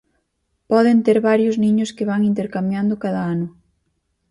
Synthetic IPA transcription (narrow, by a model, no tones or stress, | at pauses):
pɔðent̪eɾβaɾjʊznĩɲʊskɪβaŋint̪eɾkamjand̪ʊkaðaanʊ